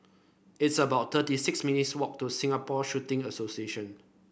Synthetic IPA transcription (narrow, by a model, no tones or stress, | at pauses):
ɪtsəbaʊt̚t̪ətisɪksminitswɔk̚tusĩŋapɔʃutɪ̃ŋəsosieʃə̃n